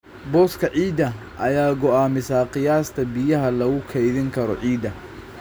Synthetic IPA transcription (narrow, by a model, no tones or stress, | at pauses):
bɔːskʰɐʕiːd̪ɐ | ʔɐjaːɡɔaːmɪsaːqɪjaːst̪ʰɐbɪjɐɦɐlɐɣʊkʰɛjðɪŋkʰɐɾɔ̰ʕiːd̪ɐ